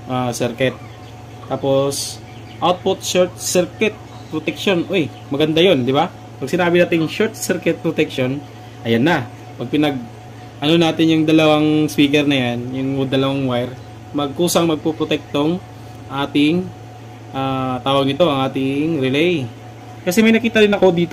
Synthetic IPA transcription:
ʔasɛɾkɛt̪̚ː | aːpo̞s | ʔawt̪̚pʊt̪̚ʃɛɹt̪̚sɛɾkɛt̪̚ | pɾot̪ɛk̚ʃonʔoj | mɐɡɐnd̪ajo̞nd̪ɪba | pɐɡ̚sɪnaːbɪnaːt̪ɪŋʃoɾt̪̚sɛɾkɛt̪̚pɾot̪ɛkʃo̞n | ʔɐjanːɐ | pɐɡ̚pɪnɐɡ̚ | ʔɐno̞naːt̪ɪnjʊŋd̪ɐlɐwaŋspiːkɛɾnɐjanjʊŋʊd̪ɐlɐwaŋwajɾ | mɐɡ̚ʔuːsɐŋmɐɡ̚popɾot̪ɛk̚t̪oŋ | ɐŋʔaːt̪ɪŋ | ʔaːt̪aːwɐɡ̚nɪt̪o̞ʔɐŋʔaːt̪ɪŋɾɛlɛj | kɐsɛmɐjnɐkiːt̪ɐɾɪnɐko̞d̪iːt̪o

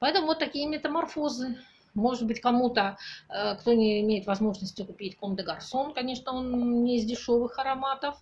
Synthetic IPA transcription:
pɐɛt̪əmʊvot̪ːɐkʲijəmʲɪt̪əmɐrfo̞zɨ | mo̞ʐɨt̪̚bɨtʲkɐmut̪əəkt̪o̞nʲɪɪmʲejɪt̪vɐzmo̞ʐnəsʲtʲʊkʊpʲitʲkomt̪əɡɐrso̞nkɐnʲe̞ʂnəo̞nnʲɪɪzdʲɪʂo̞vɨxɐɾɐmat̪əf

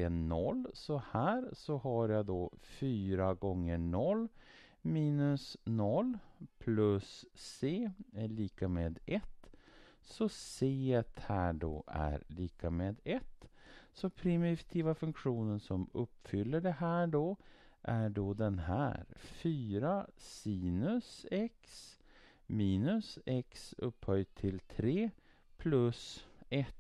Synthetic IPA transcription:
enɔlːsɔhæːɾsɔhaɾjad̪ɔfyːɾaɡɔŋːəɳɔlː | miːnɵsnɔlːpʰlɵsːeːɛɭiːkameːd̪ɛt̪ː | sɔseːɛt̪hæːɖɔ̰æ̰ɾliːkameːd̪ɛt̪ːsɔpʰɾɪmɪt̪ʰiːvafɵŋkɧuːnənsɔmɵpːfʏlːəɖɛhæːɖɔʔæɖɔd̪ɛnɦæ̰ːɾfyːɾasiːnɵsɛks | miːnɵsɛksɵpːhœjt̪ʰɪlt̪ʰɾeː | pʰlɵsɛt̪ː

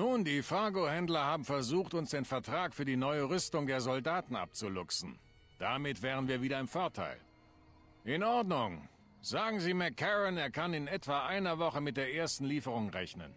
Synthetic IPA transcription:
nuːndiːfaɐɡohɛndlɐhaːbm̩fɛɐzuːxtʊnsd̥eːnfɛɐtʁ̥aːkfyːɐdiːnɔʏəʁʏstʊŋdeːɐzɔldaːtn̩ʔa̰p̚t͡sulʊksn̩ | d̥amɪtv̥eːʁ̞ənviːɐviːdɐɪmfɔɐtʰa̰ɪl | ʔɪnʔɔɐdnʊŋ | z̥aːɡŋ̩ziːmɛkʰːɛʁɪneːɐkʰanɪnɛtv̥aʔaɪnɐvɔχəmɪt̚d̥eːɐʔeːɐstn̩liːfəʁ̞ʊŋʁɛ̰çnə̰n

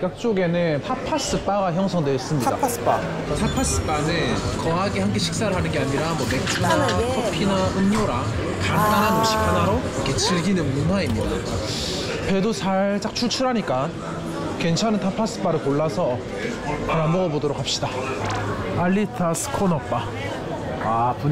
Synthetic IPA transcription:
k͈ak̚t͡ɕ͈oɡe̞nɯntʰapʰas͈ɯp͈aɡaçjʌŋsʰʌŋdweʌs͈ɯmɲida̰ | tʰapʰas͈ɯ̥p͈anɯnkʌɦaɡehank̬͈eɕʰi̥k̚s͈aɾɯɭɦanɯnɡe̞aɲiɾamʌmek̚t͡ɕʰunakʰopʰinaʔɯŋɲoɾa | kant͈anɦanoɕʰi̥kʰanaɾoikʰe̞t͡ɕiɭɡinɯnmunɦwaimɲidat͡ɕa | pe̞dosʰaɭt͡ɕ͈ak̚t͡ɕʰut͡ɕʰuɾɦaɲik͈a | kwe̞nt͡ɕʰanɯntʰapʰas͈ɯ̥p͈aɾɯɭpoɭːasʰʌ | kaɾambʌɡʌbodʌɾokhap̚ɕ͈ida | aʎːitʰasʰɯ̥kʰonʌp͈a | apu

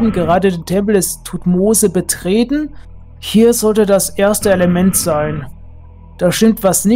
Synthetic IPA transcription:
bm̩n̩ɡəʁaːdədeːntʰɛmpl̩dɛstʰutmoːzəbətʁ̥eːtn̩ | hiːɐzɔltədasʔeːɐstəeləmɛntz̥aɪn | d̥aːʃtɪmtv̥asnɪ

